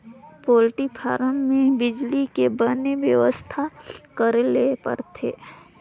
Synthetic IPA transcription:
poːlʈipʰa̰ːɾəmːẽbɪd͡ʒlikebəneʋjəʋəst̪ʰakəɾlepə̰ɾt̪ʰḛː

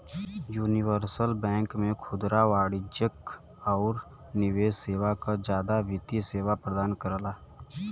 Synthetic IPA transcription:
juːnɪʋəɾsəlbɛ̃ːŋkmẽkʰʊd̪ɾaʋaːɽɪd͡ʒək | ɔːɾ | nɪʋeːseːʋakad͡ʒjaːd̪aʋɪt̪iseːʋapɾəd̪aːnkəɾlaː

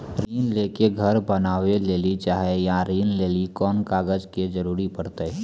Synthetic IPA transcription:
ɾiːnleːkeɡʱəɾbənaːʋeleːlit͡ʃaːɦejãɾiːnleːlikɔːnkaːɡəd͡ʒked͡ʒəɾuːɾipəɽt̪e

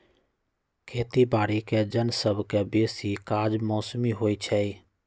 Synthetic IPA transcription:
kʰeːt̪ibaːɽikɛd͡ʒənsəbkɛbeːsikaːd͡ʒmɔːsmiɦoːit͡ʃʰɛi

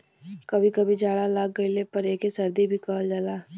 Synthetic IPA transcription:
kɐbʱikɐbʱid͡ʒaːɽalaːk̚ɡɐilepɐɾeːkesɐɾd̪ibʱikaːld͡ʒəːlaː

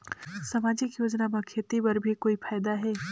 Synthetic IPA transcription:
sɐmaːd͡ʒɪkjoːd͡ʒnamãkʰeːt̪ipɐɾbʱikoːifʰaːjd̪aɦɛː

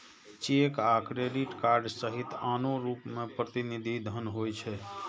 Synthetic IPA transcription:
t͡ʃekakɾeɖiʈkaɾɖsəɦit̪anoɾupmepɾət̪inid̪ʱid̪ʱənɦojt͡ʃʰɛ

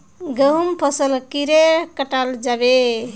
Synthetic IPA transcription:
ɡəɦumpʰəsəlkiɾekəʈald͡ʒabe

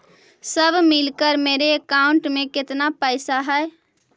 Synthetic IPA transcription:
səbʱmɪlkəɾmeːɾeːkaʊ̃ɳʈmẽkɪt̪napəjsaɦɛe

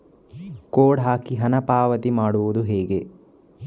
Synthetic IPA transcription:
koːɽɦaːkiɦɐnɐpaːʋɐt̪imaːɽuʋud̪uɦeːɡe̞

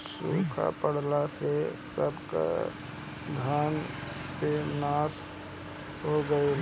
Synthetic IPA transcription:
suːkʰa̰pəɽ̤lasesəbka̰ | d̪ʱaːnsenaːs | ɦoɡəe

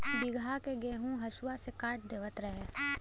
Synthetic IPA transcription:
bɪɡʱakeɡẽːɦũɦɐʃwasekaːʈ̚d̪eːʋət̪ɾɐɦe

